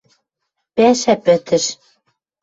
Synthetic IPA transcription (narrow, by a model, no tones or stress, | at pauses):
pæʃæpɘ̆t̪ɘ̆ʃ